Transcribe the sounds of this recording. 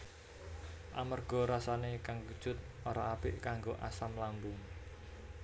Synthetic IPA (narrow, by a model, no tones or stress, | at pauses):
ʔamərɡ̥ɔ̤ɾasanekaŋkud̥ʒ̥ʊt̪̚ʔoɾaːpɪʔkaŋɡoʔasamlambʊŋ